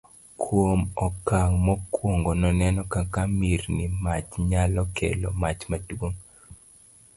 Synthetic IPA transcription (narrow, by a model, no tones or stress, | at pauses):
kʰwomɔkaŋmɔkwoŋɡonɔnɛnɔkakamiɾnimat͡ʃɲalɔkʰḛlɔ̰mat͡ʃmadwoŋ